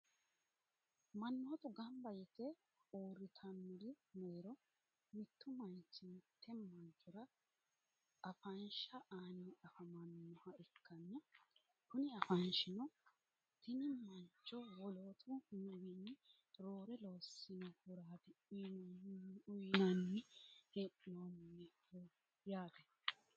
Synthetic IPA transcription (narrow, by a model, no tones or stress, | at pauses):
mɐnːoːt̪ʊɡɐmbɐjɪt̪ːɛ | oːɾɪt̪ʰɐnːʊɾɪmɛɾɔ | mɪt̪ːʊmɐnt͡ʃːɪnt̪ʰːɛmɐnt͡ʃːɔɾɐ | ɐfɐnʃɐʔaːnʔɐfɐmɐnːɔhɐɪkʰːɐnːɐ | kʊnɪɐfɐnʃɪnɔ | t̪ɪnɪmɐnt͡ʃːɔwɔloːt̪ʰɔnɐwinːɪ | ɾoːɾɛlo̞ːsːɪnɔhʊɾaːt̪ɪ | ʊjnɐnːɪheʔnomnːɛ | jaːt̪ɛ